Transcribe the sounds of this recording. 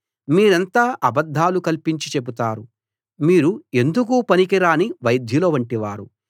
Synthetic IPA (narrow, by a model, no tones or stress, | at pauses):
miːɾɐnt̪aːʔɐbɐd̪ʱːaːlukɐlpiɲt͡ʃit͡ʃe̞but̪aːɾu | miːɾue̞nd̪uk̬upɐnikiɾaːniʋɐjd̪ʱjuloːʋɐɳʈiʋaːɾu